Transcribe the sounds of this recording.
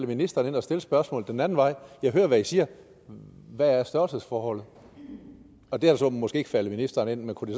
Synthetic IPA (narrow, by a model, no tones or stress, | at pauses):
ləminisd̥ɐːne̝nɒ̽sd̥e̝ləsb̥ɶɐsmɔ̰̽ːlð̩ˠd̥enænn̩ʋɑ̈ɪ̰jɑ̈ɪɦøːɐʋæisiːɐ | ʋææɐsd̥ɶɐlsəðˠsfɒːhɒ̽l̰ð̩ˠ | ɒ̽d̥e̝æd̥sɒmɒsɡ̥e̝ːeɡ̥fæləminisd̥ɐːne̝n̰menkʰud̥es